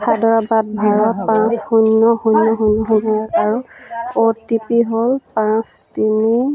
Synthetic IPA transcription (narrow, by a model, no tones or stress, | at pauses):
tʰadɔɹabat̚bʱaɹɔpãshunːɔhunːɔɦunːɔɦɔnɔaɹaɹuotipiɦolpãstini